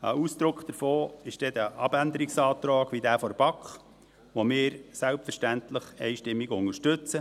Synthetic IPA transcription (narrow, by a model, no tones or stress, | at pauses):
əusd̪̥ɾʊkχd̥̪əɾfoːɪʃd̥ɛd̥̪əʔɑbænd̪əɾɪksɑːt̪ɾɑːɡ̥ʋidæːfɔɾb̥ɑkχ | ʋomɪːɾsælpfəɾʃtænt̪ləχɛɪʃtɪmːɪɡʊŋəɾʃtɵt͡sə